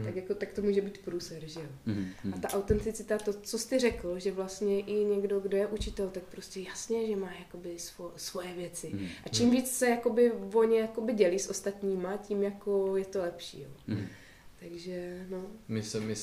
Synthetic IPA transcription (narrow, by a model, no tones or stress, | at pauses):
t̪akjako̞t̪ak̚t̪omuːʒɛbiːt̪pɾuːsɛɾʒɛjoʔat̪aʔawt̪ɛnt̪ɪt͡sɪt̪at̪o̞t͡so̞st̪ɪr̝ɛkl̩ʒɛvlast̪ɲɛʔɪɲɛɡdo̞ɡdo̞jɛʔut͡ʃɪt̪ɛlt̪ak̚pɾoscʲɛjasɲɛʒɛmaːjako̞bɪsvosvo̞jɛvjɛt͡sɪʔat͡ʃimviːt͡ssɛjako̞bɪvo̞ɲɛjako̞bɪɟɛliːsʔo̞st̪at̪ɲiːmacimjako̞jɛt̪o̞lɛpʃḭːjo̰ | t̪aɡʒɛnomɪsɛmɪ